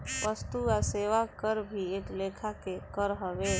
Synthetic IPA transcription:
ʋəst̪uaseːʋakəɾbʱieːklekʰakekəɾɦəʋe

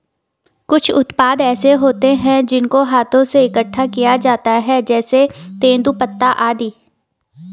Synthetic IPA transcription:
kʊt͡ʃʰʊt̪paːd̪ɛːseɦoːt̪eɦɛ̃d͡ʒɪnkoɦaːt̪ʰõseɪkəʈʰːakijad͡ʒaːt̪aɦɛːd͡ʒɛːset̪ẽːnd̪upət̪ːaʔaːd̪iː

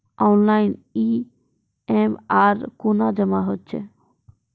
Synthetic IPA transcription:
ɔnlajni | emaɾkonad͡ʒəmaɦotːɕʰḛ

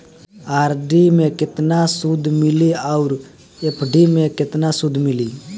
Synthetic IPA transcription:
aːɾɖiːmẽːkɪt̪naːsʊd̪ʱmɪliəʊɾ | epʰɖiːmẽːkɪt̪naːsʊd̪ʱmɪliː

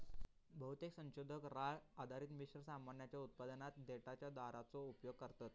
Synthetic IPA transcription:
bəɦut̪eksə̃nɕod̪ʱəkɾaɭad̪ʱaɾiːt̪miɕɾəsamanjat͡ɕjaut̪̚pad̪ənat̪d̪eʈat͡ɕjad̪aɾat͡soupjoɡ̚kəɾt̪at̪

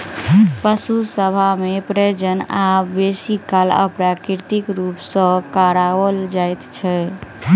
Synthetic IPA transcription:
pəsusəbʱamepɾed͡ʒənabesikalə̰pɾakiɾt̪ikɾupsə̃kaɾawəld͡ʒajt̪t͡ʃʰɛ

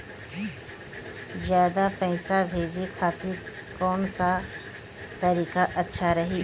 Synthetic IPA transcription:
zjaːd̪apɛɪsabʱeːd͡ʒikʰaːt̪ɪ | kɔːnsa | t̪ɐɾiːkaʔɐtːʃʰaɾɐɦiː

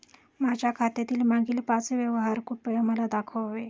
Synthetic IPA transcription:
mad͡ʑʱjakʰat̪jat̪iːlmaɡiːlpat͡sʋjəʋɦaɾkupəjəməlad̪akʰəʋʋe

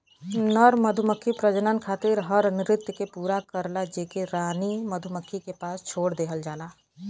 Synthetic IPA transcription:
nəɾməd̪ʱʊməkʰːipɾəd͡ʒənənkʰaːt̪ɪɾɦəɾnɪɾɪt̪jəkepuːɾakəɾlad͡ʒeːkeɾaːniməd̪ʱʊməkʰːikepaːst͡ʃʰoːɽd̪eːɦəld͡ʒaːlaː

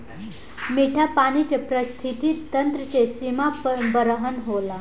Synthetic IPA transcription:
miʈʰapaɽ̃it͡ɕepɾəst̪ʰit̪it̪ːənt̪ɾət͡sesimabəɾəɦənɦola

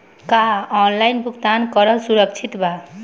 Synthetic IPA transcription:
kaɔnlajnbʱukt̪ankʌɾʌsuɾʌk̚t͡ʃʰit̪ba

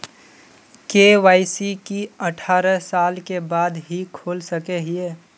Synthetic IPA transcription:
keʋaːɪsikiəʈʰaːɾəsaːlkebaːd̪ɦikʰoːlsəkeɦieː

